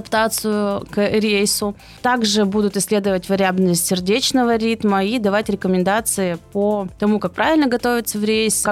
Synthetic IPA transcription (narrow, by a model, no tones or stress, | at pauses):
pt̪at̪sɨjʊkɾʲejsʊ | t̪aɡʐɨbud̪ʊt̪ɨsʲlʲe̞d̪əvətʲvɪɾʲɪabnəəsʲtʲsʲɪrdʲet͡ɕnəvəɾʲit̪məid̪ɐvatʲɾʲɪkəmʲɪnd̪at̪sɨɪpət̪ɐmukak̚pɾʔavʲɪlʲnəɡɐt̪o̞vʲɪt̪səvɾʲejs